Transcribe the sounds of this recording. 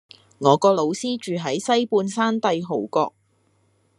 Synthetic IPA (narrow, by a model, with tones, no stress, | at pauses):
ŋɔː˨˧kɔː˧lo˨˧wsiː˥t͡ʃyː˨ɦɐ˨˥jsɐ˥jpuː˧nsaː˥nt̪ɐ˧jɦo˨˩wkɔː˧k̚